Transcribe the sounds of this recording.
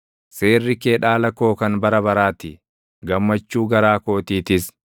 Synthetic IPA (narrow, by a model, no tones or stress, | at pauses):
seːrːɪke̞ːᶑaːlɐko̞ːkɐnbɐɾɐbɐɾaːt̪ɪ | ɡɐmːɐt͡ʃːuːɡɐɾaːko̞ːt̪iːt̪ɪs